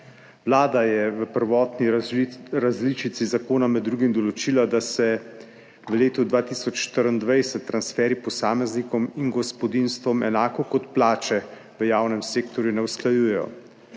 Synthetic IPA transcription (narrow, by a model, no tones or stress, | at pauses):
ʋlaːd̪ajɛʋəpəɾʋɔːt̪niɾazlit͡ʃit̪sizakoːnamɛd̪ːɾuːɡimd̪ɔlɔt͡ʃilad̪asɛ | ʋəleːt̪ud̪ʋaːt̪isɔt͡ʃːʃt̪əɾənd̪ʋajsɛt̪ːɾansfɛːɾipɔsaːmɛznikɔminɡɔspɔd̪inst̪ʋɔmɛ̰naːkɔkɔt̪plaːt͡ʃɛ | ʋəjaːwnɛmseːkt̪ɔɾjunɛwsklajuːjɛjɔ̰